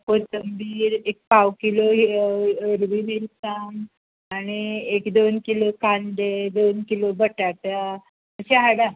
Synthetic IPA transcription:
pot̪əmbiːɾek̚pawkiloɦəɾbimilsan | aɽ̃iekd̪onkilokand̪ed̪onkilobəʈaʈa | əɕeɦaɽa

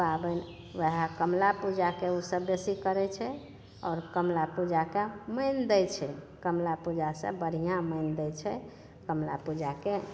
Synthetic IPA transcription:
babən | ʋəɦakəmlapud͡ʒakeusəbːesikəɾɛt͡ʃʰɛ | ɔ̰ːɾkəmlapud͡ʒakeməɪnd̪ɛjt͡ʃʰɛ | kəmlapud͡ʒasḛ̃bəɾ̤ijãməɪnd̪ɛjt͡ʃʰɛ | kəmlapud͡ʒake

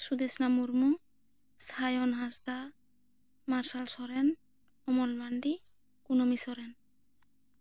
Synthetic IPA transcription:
sud̪ɛsnamuɾmu | sajɔnɦasd̪a | maɾsalsɔɾɛn | ɔmɔlmanɖi | kunɔmisɔɾɛn

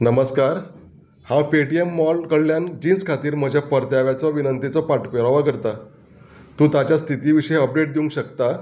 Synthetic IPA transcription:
nəməskaɾ | hãwpeʈiemːɔlkəɽljand͡ʑiːnd͡zkʰat̪iːɾm̤əd͡ʑʱjapəɾt̪jaʋjat͡sɔʋinənt̪it͡sɔpaʈpəɾaʋakəɾt̪a | t̪ũt̪at͡ɕjast̪ʰit̪iːʋiɕəjəp̚ɖeʈ̚d̪iũŋkɕəkt̪a

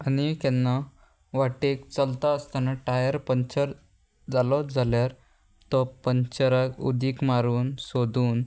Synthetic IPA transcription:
anikɛ̃nːa | ʋaʈekt͡səlt̪aəst̪anaʈajəɾpəɲt͡ɕəɾ | d͡zalɔd͡zaljaɾ | t̪ɔpəɲt͡ɕəɾəkṵd̪iːkmaɾuːnsod̪ʱuːn

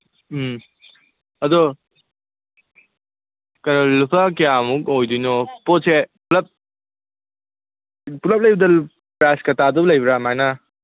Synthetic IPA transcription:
ɐdɔ | kɐnalupʰakijamuk̚ojdijnɔposepulɐp̚ | pulɐp̚lɐjbɐdɐ | pɾajskɐtadulɐjbɾamajna

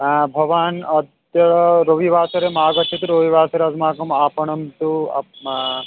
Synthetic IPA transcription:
bʱɐʋaːnɐd̪ | jɐɐɾoʋiʋaːsɐɾemaːɡɐt̪ʰːɐt̪uɾoʋiʋaːsɐɾeɐzmaːkɐmaːpɐɳɐmt̪uɐ̰

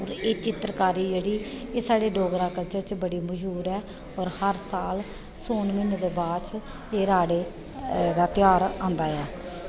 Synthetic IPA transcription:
ɔːɾeːt͡ʃɪt̪ɾkaːɾiːd͡ʒeːɽiː | eːsaːɽeːɖoːɡɾaːkəlt͡ʃəɾt͡ʃbəɽiːməd͡ʒɦuːɾɛː | ɔːɾhəɾsaːl | soːnmɪnd̪eːbaːɾt͡ʃ | eːɾaːɽeː | d̪aːt̪ɪjaːɾãːnd̪aːɛː

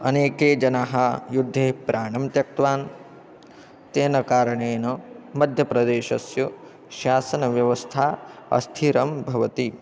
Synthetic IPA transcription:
ɐneːkeːd͡ʒɐnaːɦɐjud̪ʱːeːpɾʔaːɳɐmt̪jɐk̚t̪ʋaːn | t̪eːnɐkaːɾɐɳeːnɐmɐd̪ʱjɐpɾɐd̪eːʃɐsju | ʃaːsɐnɐʋjɐʋɐst̪ʰaːɐ̰st̪ʰiɾɐmbʱɐʋɐt̪i

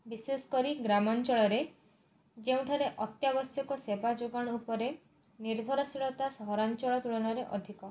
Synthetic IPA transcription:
bisesɔ̥kɔɾiɡɾamɔnt͡ʃɔɭɔɾe | d͡ʒeũʈʰaɾeʔɔt̪jabɔsjɔkɔsebad͡ʒoɡɔɽ̃ɔupɔɾe | niɾbʱɔɾɔsiɭɔt̪asɔɦɔɾant͡ʃɔɭɔt̪uɭɔɽ̃ɔɾeʔɔ̰d̪ʱikɔ

